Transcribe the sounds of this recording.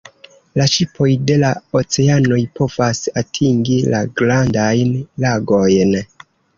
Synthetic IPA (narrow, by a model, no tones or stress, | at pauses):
laʃipʰo̞jde̞laot͡se̞ano̞jpʰo̞vasatʰiŋɡilaɡɾandajnlaɡo̞jn